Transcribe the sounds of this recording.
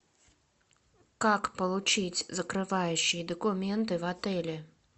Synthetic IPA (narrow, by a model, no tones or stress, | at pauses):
kakpɐlˠut͡ʂɨt͡sʲzɐkɾɨvajuɕid̪ɔkumʲɛnt̪ɨwat̪ɛlʲɛ